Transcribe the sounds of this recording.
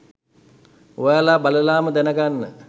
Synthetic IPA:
oʋaːlaːbaləlaːməd̪ænəɡanːə

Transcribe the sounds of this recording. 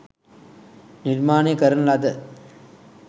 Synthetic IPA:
niɾmaːnekɐɾɐnlad̪ɐ

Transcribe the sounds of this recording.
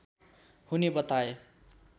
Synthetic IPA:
hunebʌt̪ae

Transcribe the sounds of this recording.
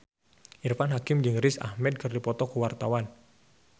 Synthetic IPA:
ʔirfanɦakɪmd͡ʒɨŋrɪsa̰hmɛd̪̚kɨrdipɔt̪ɔkuwart̪awan

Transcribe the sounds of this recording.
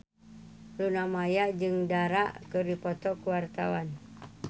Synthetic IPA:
lunamajad͡ʒɨŋdaɾaʔkɨrdipɔt̪ɔkuwart̪a̰wan

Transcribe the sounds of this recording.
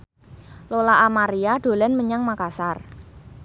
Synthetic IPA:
lolaʔamaɾiaɖ̥o̤lɛnməɲaŋmakasar

